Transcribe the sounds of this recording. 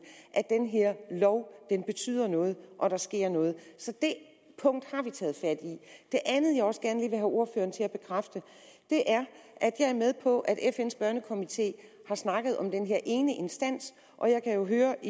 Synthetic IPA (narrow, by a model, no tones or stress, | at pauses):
ʔæd̥enɦe̝ɐ̰lɒʊd̥enb̥e̝t͡sʰy̰ːð̰ˠɐnɔ̽ːð̞̩ˠʔɒ̽ɾ̥ɑ̈sɡ̥e̝ɐ̰nɔ̽ːð̩ˠsɒ̽d̥e̝ | pʰɔ̽ŋ̰d̥hɑ̈ʋit͡sʰɛ̰ːð̞̩ˠfæd̥iid̥e̝ʔænð̞̩ˠjɑɪɒ̽sɡ̥æɐnəliːʋe̝ɦæʔo̝ɐfø̰ːɐnt͡sʰe̝læb̥e̝kʰʁafd̥ə | d̥e̝ʔæɐʔæd̥jɑ̈ɪæɐmeð̞ˠpʰɒ̽ʔæd̥efen̰sb̥ɶɐnəkʰo̝mit͡sʰe̝̰ː | hɑ̈snɑ̈ɡ̥ð̞̩ˠɒ̽md̥enɦe̝ɐ̰ʔe̝ːnəʔe̝nsd̥æn̰s | ʔɒ̽jɑ̈ɪkʰæjo̝ɦøːɐ